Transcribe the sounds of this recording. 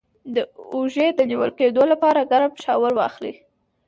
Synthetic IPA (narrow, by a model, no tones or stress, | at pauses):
d̪əuʒed̪əniwəlked̪olapɑɾaɡaɾapʃɑwaɾwɑ̰xlḭ